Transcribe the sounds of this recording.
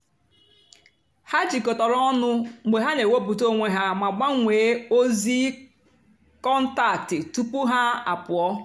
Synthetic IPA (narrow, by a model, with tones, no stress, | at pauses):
ha˦d͡ʒi˨ko˨tɔ˨ɾɔ˦ɔ˦nʊ˦ɡ͡be˨ɦa˦ne˨we˦bu˨to˦ŋʷe˦ɦa˦ma˨ɡ͡ba˦ŋʷeː˨˦o˦zi˦ | kɔ˦n̩˦ta˨tɪ˨tu˦pu˦ɦa˦a̰˨pʊ˨ɔ˦